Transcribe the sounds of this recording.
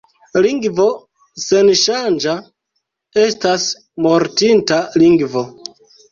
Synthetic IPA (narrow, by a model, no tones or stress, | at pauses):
liŋɡvo̞ | se̞nʃand͡ʒa | estas | mo̞ɾtintaliŋɡvo̞